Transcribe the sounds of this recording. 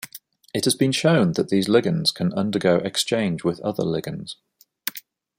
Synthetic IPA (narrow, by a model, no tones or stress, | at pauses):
ɪthəzbĩnʃə̃ʊ̃nðəʔðiːzlɪɡə̃nz̥kʰə̃nʌ̃ndəɡəʊʔɛkst͡ʃẽɪ̃nd͡ʒwɪðʌ̰ðə̰lɪɡə̃nz̥